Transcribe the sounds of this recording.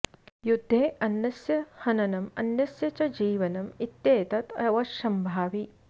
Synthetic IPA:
jud̪ʱːeːʔɐnːɐsjɐhɐnɐnɐmɐ̰njɐsjɐt͡ʃɐd͡ʒiːʋɐnɐmit̪jeːt̪ɐt̪ɐʋɐʃɐmbʱaːʋi

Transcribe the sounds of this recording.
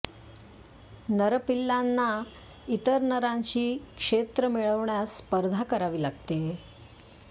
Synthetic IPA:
nəɾpilːanːa | it̪əɾnəɾãɲɕiːkʂet̪ɾəmiɭəʋɳjaspəɾd̪ʱakəɾaʋiːlaɡt̪e

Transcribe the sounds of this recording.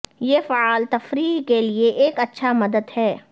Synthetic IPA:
jeːfaaːlt̪ɐfɾiːɦkelieʔeːkɐtːʃʰamɐd̪əd̪hɛː

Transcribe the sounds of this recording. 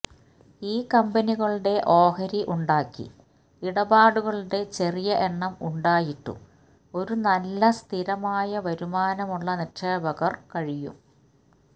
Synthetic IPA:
iːkɐmbɐniɣɐɭuɽe̞ʔo̞ːhɐɾiʔuɳɖaːkːḭ | iɽɐbaːɽuɣɐɭuɽe̞t͡ɕe̞rijɐʔeɳːɐmuɳɖaːjiʈːṵ | o̞ɾunɐlːɐst̪ʰiɾɐmaːjɐʋɐɾumaːnɐmuɭːɐnirʂeːbɐɣɐrkɐɻijṵm

